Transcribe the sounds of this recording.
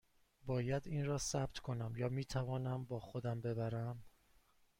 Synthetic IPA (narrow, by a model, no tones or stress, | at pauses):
bɒːjæd̪iːnrɒːsæb̥̚t̪ʰkʰo̞næmjɒːmiːt̪ʰævɒːnæmbɒːxo̞d̪æmbe̞bæɾæm